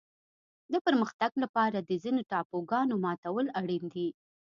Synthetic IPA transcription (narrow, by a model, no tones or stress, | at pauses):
d̪əpəɾməxt̪aɡlapɑɾad̪əzinoʈɑpoɡɑnomɑt̪awəlaɽind̪i